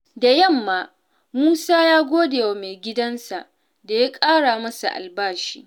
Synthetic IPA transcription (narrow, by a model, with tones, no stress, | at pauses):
da˨jɐ˦˨mːaː˦ | muː˦saː˦jaː˦ɡʷoː˦deː˨wa˨me˨ɡʲɪ˦dɐ˦nsa̰˨ʔ | da˨ja˦kʼaː˦ɽaː˨mɐ˦sa̰˨ʔa̰˨lbaː˦˨rʃḭː˦ʔ